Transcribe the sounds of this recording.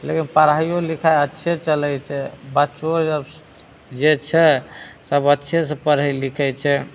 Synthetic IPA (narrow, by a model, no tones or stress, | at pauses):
lekinpəɾaijolikʰajətːʃʰet͡ʃəlɛt͡ʃʰɛbaːt͡ʃoəb | d͡ʒet͡ʃʰɛsəbətːʃʰes̬ẽpəɾailikʰɛt͡ʃʰɛ